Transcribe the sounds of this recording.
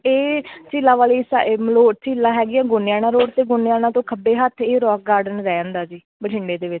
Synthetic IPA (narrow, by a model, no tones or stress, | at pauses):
eːt͡ʃiːlãːʋaːliːsa̰ːʔeːmloːt͡ʃiːlãːɦɛːɡɪãːɡʊnɪjãːnãːɾoːʈt̪eːɡʊnjãːnãːt̪õːkʰəbeːɦət̪ʰeːɾɔːk̚ɡaːɾɖənɾɛːə̃ːnd̪aːd͡ʒiː | bəʈʰɪɳɖeːd̪eːʋɪt͡ʃ